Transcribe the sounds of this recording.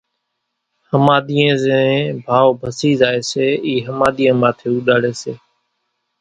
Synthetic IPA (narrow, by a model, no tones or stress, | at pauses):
həmaːɗ̪iːẽːzẽbʱaːʋobʱəsiːzaːeːseːiːɦəmaːd̪iːẽːmaːt̪ʰeːuːɗaːɽeːseː